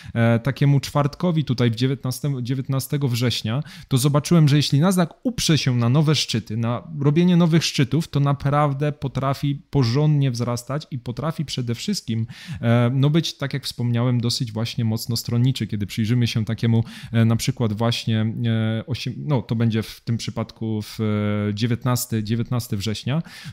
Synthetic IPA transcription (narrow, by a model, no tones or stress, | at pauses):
t̪akʲɛmut͡ʂfaɾt̪kɔvʲit̪ut̪ajvd͡ʑɛvjɛt̪̚nast̪ɛmud͡ʑevʲjɛt̪nast̪ɛɡɔvʐɛɕɲat̪ɔzɔbat͡ʂɘwɛmʐɛjɛɕlʲinazakupʂɛɕɛnanɔvɛʂt͡ʂɘt̪ɘnaɾɔbʲjeɲɛnɔvɘxʂt͡ʂɘt̪uft̪ɔnapɾavd̪ɛpɔt̪ɾafʲipɔʐɔnd̪ɲɛvzɾast̪at͡ɕipɔt̪ɾafʲipʂɛd̪ɛfʂɘst̪̚kʲim | nɔbɘt͡ɕt̪akʲjakfspɔmɲawɛmd̪ɔsɘd͡ʑvwaɕɲɛmɔt̪snɔst̪ɾɔnɲit͡ʂɘkʲɛd̪ɘpʂɘjʐɘmɘɕɛt̪akʲɛmunapʂɘkwad̪vwaɕɲɛɔɕɛnɔt̪ɔbɛɲd͡ʑɛft̪ɘmpʂɘpat̪kuv̥d͡ʑevʲɛt̪nast̪ɘd͡ʑevʲjɛt̪̚nast̪ɛvʐɛɕɲa